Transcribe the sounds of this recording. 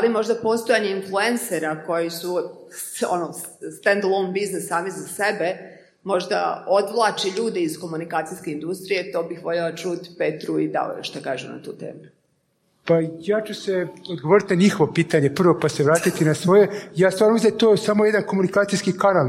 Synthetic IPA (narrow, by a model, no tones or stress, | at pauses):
alimo̞ʒd̪apo̞st̪ojaɲeinflˠuenseɾako̞jisu | o̰no | st̪end̪lˠombiznesːaːmizasebe̞ | mo̞ʒd̪a̰o̞d̪ʋlˠaːt͡ʃiʎuːd̪eizko̞munikaːt̪sijskeind̪ust̪ɾije̞t̪o̞ːbixʋo̞ʎelˠat͡ʃuːt̪i̥pet̪ɾuid̪a̰o̰j̰ʃt̪aka̰ːʒṵmna̰t̪uːt̪ḛːmu | pajaːt͡ʃuseod̪ɡoʋoɾit̪naɲixo̞ʋo̞piːt̪aɲepr̩ʋo̞paseʋɾaːt̪it̪inasʋo̞je̞jaːst̪aɾnomizt̪ojesamoje̞d̪ankomunikaːt̪ijskikanal